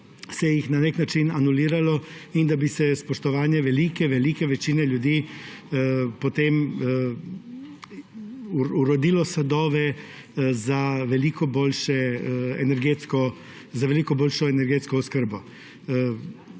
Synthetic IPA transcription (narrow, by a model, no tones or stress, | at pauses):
sɛjixnaneknat͡ʃinanuliːɾalɔind̪abisɛspɔʃt̪ɔʋaːnjɛʋɛliːkɛʋɛlikɛʋɛt͡ʃiːnɛljud̪iː | pɔt̪em | uɾɔd̪iːlɔsad̪ɔːʋɛ | zaʋɛliːkɔboːlʃɛɛ̰nɛɾɡeːt̪skɔ | zaʋɛlikɔboːlʃɔɛnɛɾɡeːt̪skɔɔskəɾbɔ